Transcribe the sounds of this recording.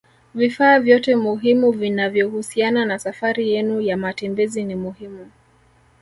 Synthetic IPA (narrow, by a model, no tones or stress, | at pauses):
vifaːvjɔtɛmuɦimuvinavjɔhusiananasafaɾijɛnujamatɛmbɛzinimuhimu